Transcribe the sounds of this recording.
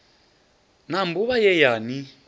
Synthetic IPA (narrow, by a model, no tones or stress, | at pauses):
nambuβajɛjaːni